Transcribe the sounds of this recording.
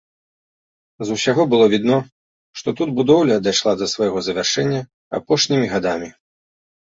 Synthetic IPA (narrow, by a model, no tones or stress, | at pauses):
zuwsʲaɣɔbɨlˠɔvʲid̪nɔ | ʂt̪ɔt̪ud̪bud̪ɔwlʲɐd̪ajʂlˠad̪ɐsvajɣɔzɐvʲarʂɛnʲːɐ | a̰pɔʂnʲimʲiɣad̪amʲi